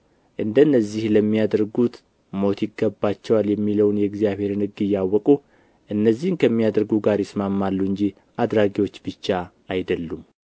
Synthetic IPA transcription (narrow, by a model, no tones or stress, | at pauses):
ʔɨnd̪əɨnːəzːihləmːijad̪ɾɡut̪ | mo̞t̪jɪɡːəbat͡ʃːɛwaljɛmːiləwnjɛɡzijaβhe̞ɾnɨɡɨjːawːɔkʼu | ʔɨnːəzːihnkʰəmːijad̪ɾɡuɡaɾjɛsmamːalːuɨɲd͡ʒi | ʔad̪ɾaɡiwo̞t͡ʃːbɨt͡ʃːa | ajd̪əlːum